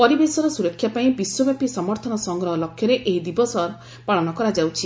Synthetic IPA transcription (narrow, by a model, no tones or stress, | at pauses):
pɔɾibesɔɾɔsuɾɔkʰːjapaĩbiswɔbjapisɔmɔɾt̪ʰɔnɔsɔŋɡɾɔɦɔlɔkʰːjɔɾeʔeid̪ibɔsɔɾ | paɭɔnɔkɔɾad͡ʒawt͡ʃʰi